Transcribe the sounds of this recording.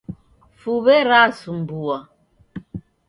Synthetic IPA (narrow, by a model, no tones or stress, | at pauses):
fuβɛɾasum̩bua